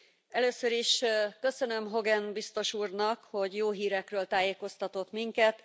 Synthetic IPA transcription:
ɛløːsøɾiʃkø̞sø̞nø̞mɦo̞ɡɛnbist̪o̞ʃuːrnɒkho̞ɟjoːɦiːɾɛkrøːlt̪aːjeːko̞st̪ɒt̪o̞t̪miŋkɛt̪

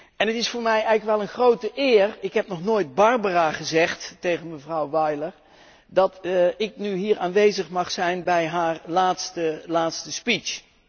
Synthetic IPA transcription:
ɛnətɪsfʊːɹmɛjɛjɣləkʋɛlˠənχrowtəʔɪːrɪkɦɛp̚nɔχnoːjd̚bɑɹbəraːχəzɛχtːejχənməvrʌwʋɑjləɹ | dɑtɪk̚nyɦiːɹaːnʋejzəχmɑχsɛjnbɛjɦaːɹlaːtstəlaːtstəspit͡ʃ

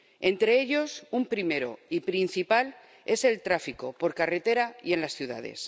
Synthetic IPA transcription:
ẽ̞nt̪ɾe̞eʎo̞sumpɾime̞ɾo̰ipɾinθipal | e̞se̞lt̪ɾafiko̞po̞ɾkare̞t̪e̞ɾaie̞nlasθjuða̰ðe̞̰s

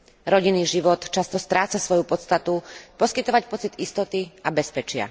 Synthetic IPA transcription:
ɾɔɟiniːʒiʋɔt̪t͡ʃast̪ɔst̪ɾaːt͡sasʋɔjupɔt̪st̪at̪upɔskit̪ɔʋacpɔt͡sid̪ist̪ɔt̪iabɛspɛt͡ʃɪa̰

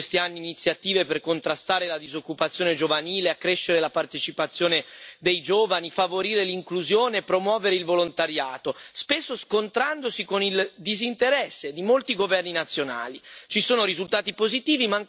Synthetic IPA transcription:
st̪ianːiːnit̪sːjat̪iːveperkont̪ɾast̪aːɾelad̪izokːupat̪sjoːned͡ʒovaniːleakːɾeʃːeɾelapart̪et͡ʃipat̪sːjoːned̪ejd͡ʒoːvanifavoɾiːɾeliŋkluzjoːneːpːɾomwɔːveɾeilvolont̪aɾjaːt̪ospesːoskont̪ɾand̪osikonild̪izint̪eɾɛsːed̪imolt̪iɡovɛrninat̪sːjona̰ːlit͡ʃisoːnoɾizult̪aːt̪ipozit̪iːvima

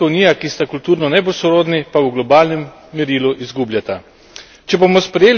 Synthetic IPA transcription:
auniːjakist̪akult̪uːɾnɔnɛbosɔɾoːd̪nipawɡlɔbaːlnɛmː | ɛɾiːluʔizɡublʲjat̪a | t͡ʃɛbomɔspɾɛjeːl

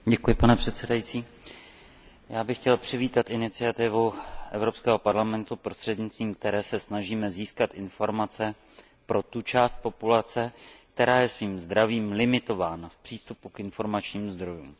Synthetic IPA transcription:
ɟɛkujɪpanɛpr̝̥ɛt̪sɛdajit͡siː | jaːbɪxcɛlpr̝̥ɪviːt̪at̪ʔɪnɪt͡sɪat̪ɪvuʔɛvɾo̞pskɛːɦo̞paɾlamɛnt̪upɾo̞st̪r̥ɛd̪ɲɪt͡st̪viːmk̚t̪ɛɾɛːsɛsnaʒiːmɛziːskat̪ʔɪnfo̞ɾmat͡sɛ | pɾo̞t̪ut͡ʃaːst̪̚po̞pulat͡sɛk̚t̪ɛɾaːjɛsviːmzd̪ɾaviːmlɪmɪt̪o̞vaːnafpr̥iːst̪upukɪnfo̞ɾmat͡ʃɲiːmuzd̪ɾo̞juːm

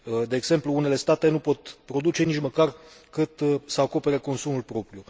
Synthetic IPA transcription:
d̪e̞ːɡz̥e̞mpluune̞le̞st̪at̪e̞nupo̞t̪pɾo̞d̪ut͡ʃe̞nit͡ʃməkarkɨt̪səako̞pe̞ɾeko̞nsumulpɾo̞pɾju

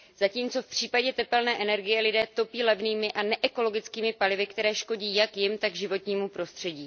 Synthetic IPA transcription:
z̥aciːmt͡so̞fpr̝̥iːpaɟɛt̪ɛpɛlnɛːʔɛnɛɾɡɪjɛlɪdɛːt̪o̞piːlɛvniːmɪʔanɛʔɛko̞lo̞ɡɪt͡skiːmɪpalɪvɪkt̪ɛɾɛːʃko̞ɟiːjakjɪmt̪aɡʒɪvo̞t̪ɲiːmupɾo̞st̪r̝̥ɛɟiː

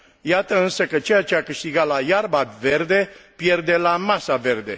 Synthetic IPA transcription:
jat̪əɨnsəkət͡ʃe̞jat͡ʃeakɨʃt̪iɡalajarbave̞rd̪e̞pje̞rd̪e̞lamasave̞rd̪e̞̰

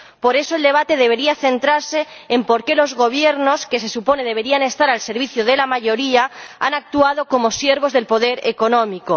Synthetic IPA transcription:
po̞ɾe̞soeld̪e̞β̞at̪e̞ðe̞β̞e̞ɾiaθe̞nt̪ɾaɾseːmpo̞ɾke̞lo̞zɣo̞β̞je̞ɾno̞ske̞se̞supo̞ne̞ðe̞β̞e̞ɾiane̞st̪aɾalse̞ɾβiθjoðe̞lamaʝo̞ɾiaa̰nak̚t̪uað̞o̞ko̞mo̞sje̞ɾβo̞zðe̞lpo̞ðe̞ɾḛko̞nõmiko

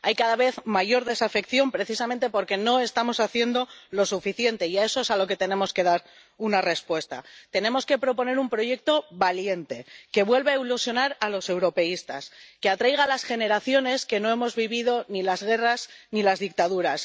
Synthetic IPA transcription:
ajkaðaβe̞θmaʝo̞ɾðe̞safe̞kθjo̞mpɾe̞θisamẽnt̪e̞po̞ɾke̞no̞e̞st̪amo̞saθje̞nd̪o̞lo̞sufiθje̞nt̪e̞iae̞so̞esalo̞ke̞t̪e̞nẽ̞mo̞ske̞ðaɾ | unare̞spwe̞st̪a̰t̪e̞nẽ̞mo̞ske̞pɾo̞p̬o̞ne̞ɾumpɾo̞ʝe̞k̚t̪o̞βalje̞nt̪e̞ke̞βwe̞lβeailusjo̞naɾalo̞se̞wɾo̞pe̞ist̪a̰ske̞at̪ɾajɣalasxe̞ne̞ɾaθjo̞ne̞ske̞no̞emo̞zβiβiðo̞nilazɣ̞e̞raznilazðik̚t̪aðuɾas

